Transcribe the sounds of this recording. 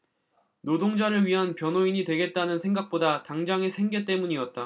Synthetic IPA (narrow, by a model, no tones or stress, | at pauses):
nodoŋd͡ʑaɾɯɭɥiɦanpjʌnoiɲitwe̞ɡe̞t̚t͈anɯnsʰe̞ŋɡak̚p͈odataŋd͡ʑaŋesʰe̞ŋɡe̞t͈e̞muɲiʌt̚t͈a